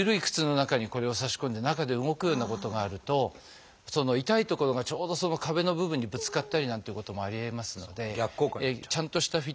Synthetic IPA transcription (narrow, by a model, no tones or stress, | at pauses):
ɯɾɯ̟ikɯ̟̥t͡sɨno̞nakaɲ̟iko̞ɾe̞o̞saɕi̥ko̞nd̪e̞nakad̪e̞ɯ̟ŋo̞kɯ̟jo̞ːnako̞t̪o̞ɡaːɾɯ̟t̪o̞ | so̞no̞it̪ait̪o̞ko̞ɾo̞ɡat͡ɕo̞ːd̪o̞so̞no̞kabe̞no̞bɯ̟bɯ̟ɲ̟ːibɯ̟t͡sɨ̥kat̪ːaɾʲinãnt̪eiɯ̟ko̞t̪o̞mo̞aɾʲiemasɨno̞̰d̪e̞ɡʲakːot͡ɕãnt̪o̞ɕi̥t̪aɸʲi